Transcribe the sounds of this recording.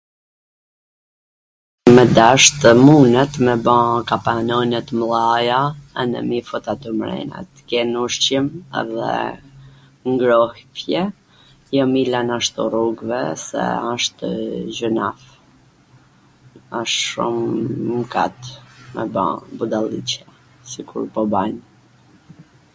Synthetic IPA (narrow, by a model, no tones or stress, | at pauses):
mɛd̪aʃt̪əmunɛt̪mɛbãkapanɔnɛt̪mlˠajaɛ̰nɛ̰mifɔt̪at̪ɔmɾɛ̰nɛ̰t̪kɛnuʃt͡ɕəmɛ̰ðɛ̰ | ŋɡɾɔhfjɛ | jamilanaʃt̪ɔruɡvɛ̰sɛ̰aʃt̪əʒənaf | aʃʃumːka̰t̪mɛ̰bã̰bud̪alˠḭt͡ɕja | sikuɾpɔbaɲ